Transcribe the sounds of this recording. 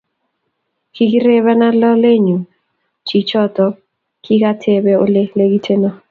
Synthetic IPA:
ki˦ki˦ɾe˦βa˦na˦lɔ˦le˦ɲu˨ | t͡ʃi˨t͡ʃɔ˦tɔ˨ | ki˦ka˦tʰe˨bɛ˦o˦le˦le˦ɡi˦tʰe˦nɔ˦

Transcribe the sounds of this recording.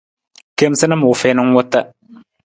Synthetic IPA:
ke˦msɪ˦nə˦m˨ʊ˨fɪː˦nə˦ŋ˦wʊ˦t̪ːə˦

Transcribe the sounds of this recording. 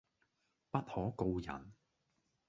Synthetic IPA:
pɐ˥t̚hɔː˨˥ko˧wjɐ̰˨˩n

